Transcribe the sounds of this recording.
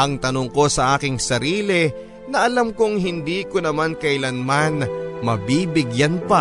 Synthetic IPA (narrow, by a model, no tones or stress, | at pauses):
ʔɐŋt̪ɐnoŋko̞sɐʔaːkɪŋsɐɾiːlɛ | nɐʔɐlamkʊŋɦɪnd̪iːkonɐmankɐʔɪlanmanmɐbibɪɡjanpɐ